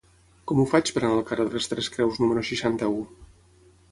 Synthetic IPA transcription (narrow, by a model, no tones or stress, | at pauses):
kɔmufat͡ʃpəɾanəlˠkarəðəlst̪ɾɛskɾɛwznuməɾuʃiʃant̪əu